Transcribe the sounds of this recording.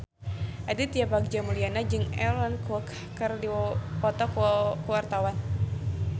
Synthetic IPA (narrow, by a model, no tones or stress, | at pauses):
ʔadit̪ijabaɡ̚d͡ʒamulianad͡ʒɨŋɛ̰lɔnkɔk | kərdipɔt̪ɔkkəwart̪awan